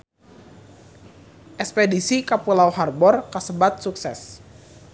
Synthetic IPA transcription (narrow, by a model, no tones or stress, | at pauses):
ʔɛkspedisikapulawharbɔrkasəbat̪̚suksɛ̰s